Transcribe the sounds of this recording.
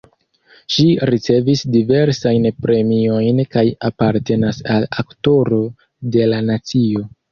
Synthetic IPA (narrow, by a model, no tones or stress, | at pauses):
ʃiɾit͡se̞visdive̞ɾsajnpɾe̞mio̞jnkajapaɾte̞nasalakto̞ɾo̞ | de̞lanat͡sio̞